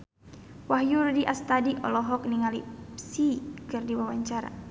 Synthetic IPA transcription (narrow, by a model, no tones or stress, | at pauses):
wahjurdiʔast̪adiʔɔ̰lɔɦɔk̚niŋalipsikɨrdiwawaɲt͡ʃaɾa̰